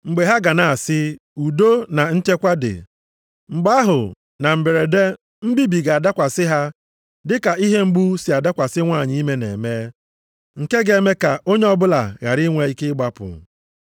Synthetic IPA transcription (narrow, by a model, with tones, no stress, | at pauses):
ŋ͡m̩˨ɡ͡be˨ɦa˦ɡa˨na˨a˨sɪ˦ | u˨do˦na˨n̩˦t͡ʃe˦kʷa˦dɪ̰˨ | ŋ͡m̩˨ɡ͡ba˦a˦ɦʊ̰˨ | na˨m̩˨be˨ɾe˨de˦ | m̩˦bi˦bi˨ɡa˨a˨da˦kʷa˨sɪ˦ɦa˦ | dɪ˦ka˨i˦ɦe˦ŋ͡m̩˦ɡ͡bu˦si˨a˨da˦kʷa˨sɪ˦ŋʷaː˦˨ɲɪ˦i˦me˦nḛ˨me˦ | ŋ̩˨ke˦ɡe˦me˦ka˨o˦ɲe˦ɔ˦bʊ˦la̰˨ɣa̰˨ɾɪ˦ŋʷe˦i˦kɪ˦ɡ͡ba˦pʊ̰˨